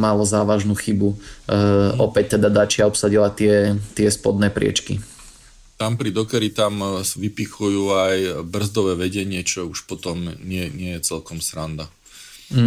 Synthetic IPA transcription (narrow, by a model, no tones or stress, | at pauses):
malɔzaːʋaʒnuːxibu | ɔpɛc̚t̪ɛd̪ad̪at͡ʃɪaɔpsaɟilat̪ɪɛt̪ɪɛspɔd̪nɛːpɾɪɛ̰t͡ʃkḭ | t̪ampɾid̪ɔkɛɾit̪amʋipixujuːajbr̩zd̪ɔʋɛːʋɛɟɛɲɪɛt͡ʃɔuʃpɔt̪ɔmɲɪɛɲɪɛjɛt͡sɛlkɔmsɾand̪a